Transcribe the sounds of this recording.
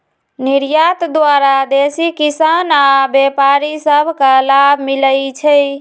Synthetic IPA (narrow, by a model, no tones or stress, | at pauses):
niɾjat̪d̪waɾad̪esikisanabepaɾisəbʱkalabʱmiləjt͡ʃʰəj